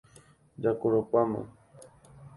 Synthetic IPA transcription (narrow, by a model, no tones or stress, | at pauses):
d͡ʒakoɾopamã̰